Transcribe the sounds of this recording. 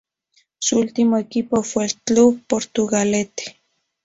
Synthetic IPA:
sult̪imaekipofelt͡ɬupoɾt̪uɣalet̪e̥

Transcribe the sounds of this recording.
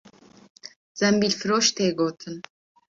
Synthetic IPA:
z̥ɛmbilfɾoʃt̪ʰeːɡot̪ʰən

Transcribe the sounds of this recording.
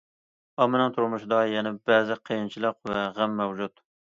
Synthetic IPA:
ɑmɨnɨŋt̪ʰuɾmuʃd̪ɑjɛnɪbɛːzɪqʰəjint͡ʃʰilˠəqvɛʁæmːɛwd͡ʒut̪

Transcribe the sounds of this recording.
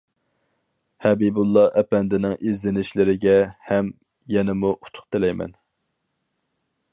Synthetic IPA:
hɛbibulˠːɑʔɛpɛnd̪ɪnɪŋʔizlɪnɪʃlɪɾɪɡʲɛhɛm | jɛnɪmuʔu̥t̪ʰʊ̥qt̪ɪlɛjmɛ̰n

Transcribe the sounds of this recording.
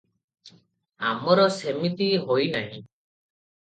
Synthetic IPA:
a̰mɔɾɔsemit̪iɦojnaɦĩ

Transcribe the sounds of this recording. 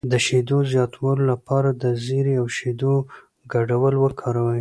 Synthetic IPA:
d̪əʃed̪ozjɑt̪ʰawəlolapɑɾad̪əzeɾiawʃed̪o | ɡaɖawəlwəkʰɑɾawəj

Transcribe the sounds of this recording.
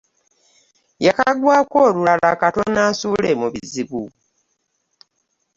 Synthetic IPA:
jakaɡwaːkoːlulalakato̞naːsulemuβiziβu

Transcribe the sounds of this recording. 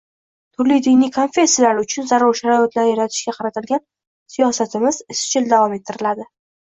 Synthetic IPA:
t̪ʰʊɾlijd̪ɪjnijkʰo̞nfʲe̞sːijalaɾʊt͡ʃʰʊnzaɾɒɾʃaɾɒat̪laɾjaɾat̪ʰɪ̥ʃɡʲaqʰɑɾat̪ɪlɡʲan | sijɒsat̪ʰɪmɪzɪst͡ʃʰɪld̪avɒme̞t̪ʰːɪɾɪlad̪ɪ

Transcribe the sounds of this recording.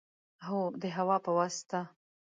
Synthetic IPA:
ɦod̪əɦawɑpəwast̪a

